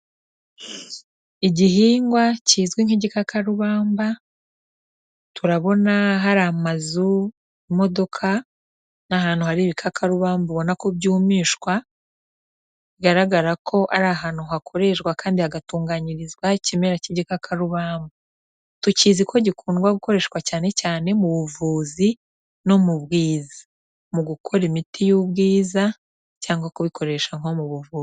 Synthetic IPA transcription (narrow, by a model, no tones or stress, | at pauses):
iɟiɦiːŋɡwaciːzɡwiŋ̥iɟikakʰaɾuβaːmba | tuɾaβo̞naɦaɾamazu | imo̞do̞kʰa | nahaːn̥huhaɾiβikʰakʰaɾuβaːmbuβo̞nako̞bɟuːmiːʃwa | iɡaɾaɡaɾakʰo̞ʔaɾaɦaːn̥huɦakʰo̞ɾe̞ʃɡwakaːndihaɡatuːŋɡaɲiɾizɡwacimeɾaciɟikakʰaɾuβaːmbu | tucizikʰo̞ɟikʰuːnɡwaɡuko̞ɾe̞ːʃwacaːne̞caːne̞muβuvuːzi | no̞muβɡiːzḁ | muɡukʰo̞ɾimitʰijubɡiːza | caːŋɡwakuβikʰo̞ɾe̞ʃaŋo̞muβuvuːz